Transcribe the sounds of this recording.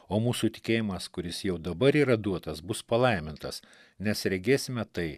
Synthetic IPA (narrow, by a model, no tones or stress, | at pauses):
oːmuːsuːt̪ʲɪ̥kʲeːjɪmɐskʊɾʲɪsjɛʊd̪ɐbɐɾiːɾɐd̪uɔt̪ɐsbʊspɐlˠɐɪmʲɪnt̪ɐ̰s | nʲɛsɾʲɛɡʲeːsʲɪmʲɛt̪ɐɪ